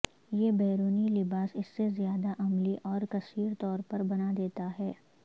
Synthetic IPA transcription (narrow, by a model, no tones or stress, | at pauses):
jebɛːɾuːnilɪbaːsɪsːezjaːd̪aʔɐmliʔɔːɾkɐsiːɾt̪ɔːɾpɐɾbɐnad̪eːt̪aɦɛː